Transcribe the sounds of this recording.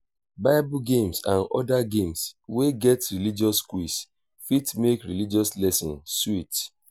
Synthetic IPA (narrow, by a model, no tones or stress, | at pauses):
baɪbuɡẽmsãnɔ̰daɡẽmsweɡɛtɹilid͡ʒɔskwis | fitmekɹilid͡ʒɔslɛsɔ̰̃nswit